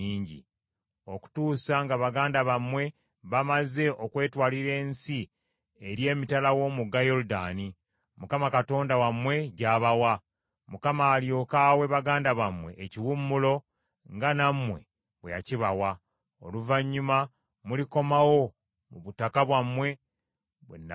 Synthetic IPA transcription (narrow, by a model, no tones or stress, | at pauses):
iːɲɟḭ | o̞ku̥tuːsaŋɡaβaɡaːndaβamwe̞ | βamaze̞ʔokwe̞ːtwaːliɾe̞ːnsi | eɾje̞ːmitalawo̞muɡajo̞ɾudaːni | mukamakato̞ːndawamwe̞ɟaːβawa | mukamaːlio̞kaːwe̞βaɡaːndaβamwe̞̰ʔːciwumːulo̞ | ŋɡanamwe̞̰ | βweja̰ciβawa | o̰luvaɲːuma | muliko̞mawo̞ | muβutakaβwamwe̞ | βwḛn